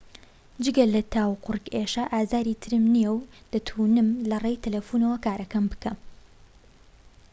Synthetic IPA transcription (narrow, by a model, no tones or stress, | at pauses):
d͡ʒɨɡɐlɐt̪ʰaːwqʊrkeʃɐʔaːzaːɾiːt̪ʰɨɾɨmnijɛwd̪̥ɐt̪ʰunɨmlɐreːjt̪ʰɐlefuːnɐwɐkaːɾɐkɐmbɨkʰɐm